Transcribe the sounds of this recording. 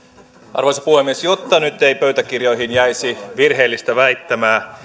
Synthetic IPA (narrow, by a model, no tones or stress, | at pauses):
ʔɑ̰rʋoisɑpuhemːiesjot̪ːɑnyt̪ːeijpøyt̪ækirjo̞jɦinjæjsiʋirɦe̞ːlːist̪æʋæit̪ːæmæː